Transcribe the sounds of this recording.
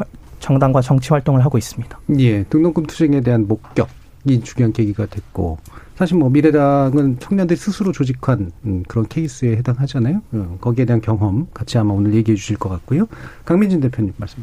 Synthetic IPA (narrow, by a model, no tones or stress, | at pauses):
t͡ɕʌŋdaŋɡwat͡ɕʌŋt͡ɕʰiɸwaɭt͈oŋɯɭɦaɡois͈ɯmɲid̥ḁje̞tɯŋnʌŋk͈ʰɯmtʰu̥sʰeŋe̞de̞ɦanmok̚k͈jʌk̚ | it͡ɕuɡoɦanke̞ɡiɡadwe̞k͈o̰sʰaɕʰiɭmwʌmiɾe̞daŋɯnt͡ɕʰʌŋɲʌndɯɾisʰɯsʰɯɾot͡ɕod͡ʑikʰanɯkɯɾʌnkʰe̞is͈ɯe̞he̞daŋɦad͡ʑanajoɯkʌɡie̞de̞ɦankjʌŋɦwʌmkat͡ɕʰiɦamaonɯɭje̞ɡiɦe̞d͡ʑuɕʰiɭk͈ʌk͈at̚k͈ojokaŋmind͡ʑinde̞pʰjoɲimːaɭs͈ɯma